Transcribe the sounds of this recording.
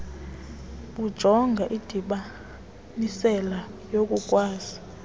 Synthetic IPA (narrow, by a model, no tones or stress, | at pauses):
ɓud̥ʒ̥ʱɔŋɡʱaʔid̥ʱiɓa | nisɛlajok̬ʼukʼwaːz̥i